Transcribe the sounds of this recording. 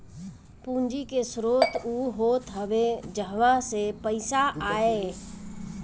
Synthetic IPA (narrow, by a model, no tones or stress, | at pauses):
pũːnd͡ʒikesɾoːt̪uɦoːt̪ɦəʋed͡ʒəɦʋãsepəɪsaʔaːe